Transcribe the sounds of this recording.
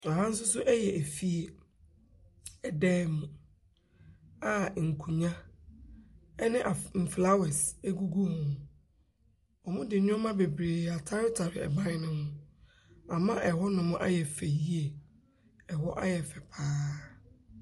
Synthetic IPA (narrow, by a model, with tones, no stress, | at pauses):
ã˨ɦã˦n̩˦s̬ʊ˦sʊ˦ʔɛ˦jɛ˨ʔæ˨fi˦e˨ | ɛ˨dɛː˦mʊ̃˨ | a˨ŋ̩˨kʰu˨ɲã˦ | ɛ˦nɪ̃˦ʔa˨m̩˨fla˦wɛ˨se˦ɡu˦ɡu˦hʊ̃˨ | ɔ˨mʊ̃˦dɪ˨˦nʊ̃˦ɔ˦mã˦be˨bɾeː˨a˨tʰa˦ɾɪ˦tʰa˨ɾɪ˨ɛ̰˨bã˦nɪ˦nɪ̃˦hʊ̃˦ | a˨mã˦ʔɛ˨hɔ˦nʊ̃˨mʊ̃˦ʔa̰˦jɛ˨fɛ˨ji˦e˨ | ɛ˨hɔ˦ʔa̰˦jɛ˨fɛ˨pʰaː˦